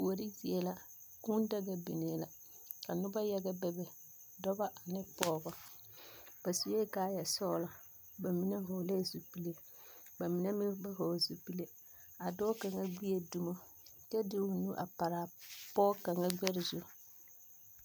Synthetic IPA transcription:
u˨o˨ɾi˦zi˨ɛ˦la˦kʊ˦n˦da˦ɡa˦bḭ˨ne˨la˨ | ka˨nʊ˦ba˦jɛ˦ɡa˦bɛ˦bɛ˨ | dɔ˦ba˦ʔa˨nɪ˦pɔː˦ɡɔ˦ | b̥a˨su˨je˦kaː˦ja˨sɔ˦la˨ | ba˨mi˨na˦ɦʊ˨le˦˨zu˨pi˦le˨ | ba˨mi˨na˦mɪ˦ba˦ɦɔ˨zu˨pi˦le˦ | a˨dɔ˦ka˨ŋa˦ɡ͡bi˦e˨du˦mo˦t͡ʃɛ˦dɪ˦ʊ˨nu˦ʔa̰˨pa˨ɾa˨pɔː˦ka˨ŋa˦ɡ͡bɛ˦ɾɪ˨zo˦

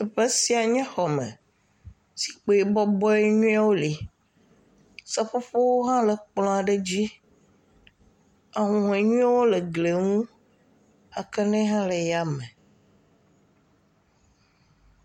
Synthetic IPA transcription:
e˨ɸɛ˦si˦a˨ɲɛ̃˦xɔ˨mɛ̰̃˨ | si̥˨k͡po˨˦e˨bɔ˦bɔ˦e˦ɲũ˦a˦wo˦li˨ | sɛ˦ɸo˦ɸo˦wo˦ɦã˦lɛ˨k͡plɔ̃˦a˨ɖe˦d͡ʑi˦ | a˨ɦũ˨e˨ɲũ˦a˦wo˦le˨ɡle˨ŋũ˦ | a˨kɛ˦nɛ̃˦ɦã˦le˨ja˦˨mɛ̃˨

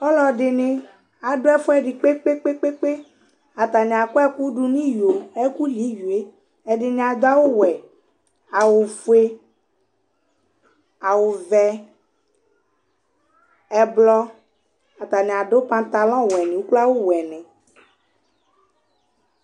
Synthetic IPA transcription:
ɔ˦lɔ˨ɖɪ˨nẽ˨ | a˨ɖo˦ɛ˦fɔ˦ɛ˦ɖi˨k͡pe˦k͡pe˦k͡pe˦k͡pe˦k͡pe˦ | a˨t̪a˨nĩ˨a˨ko˦ɛ˦ku˦ɖu˦nĩ˦jo˨ɛ˦ku˦li˨˦ju˨e˦ | ɛ˨ɖɪ˨nẽ˨a˨d̪o˦a˦wo˦wɛ˨ | a˨wo˨fu˦e˦ | a˨wo˨vɛ˨ | ɛ˨blɔ˦ | a˨t̪a˨nĩ˨a˨ɖo˦pã˦t̪a˨lɔ̃˦wɛ˨nĩ˨wu˦k͡pla˦wo˦wɛ˨nɛ̃˨

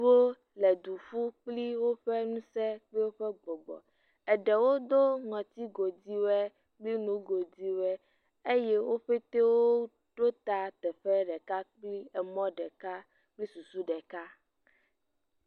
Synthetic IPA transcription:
wo˦ | lɛ˨d̪u˨ɸu˦k͡pli˦wo˦ɸɛ˦nũ˦sɛ˦k͡pli˦wo˦ɸɛ˦ɡ͡bɔ˨ɡ͡bɔ̰˨ | ɛ˨ɖɛ˨wo˦d̪o˦ŋɔ̃˨t̪i˦ɡo˨di˦wɛ˦ | k͡pli˦nũ˨˦ɡo˨di˦wɛ˦ | e˦jɛ˦wo˦ɸe˦t̪e˦wo˦ | ɖ̥o˦t̪a˦t̪ɛ˨ɸɛ˦ɖɛ˨ka˦k͡pli˦ɛ˨mɔ̃˦ɖɛ˨ka˦ | k͡pli˦su˨su˦ɖɛ˨ka˦

